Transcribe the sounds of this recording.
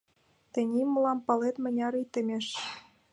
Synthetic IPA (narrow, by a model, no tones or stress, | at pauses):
t̪ɘ̆nʲimɤ̆lˠɑmpɤ̆let̪mɘ̆nʲɑɾit̪ɘ̆mʲeʃ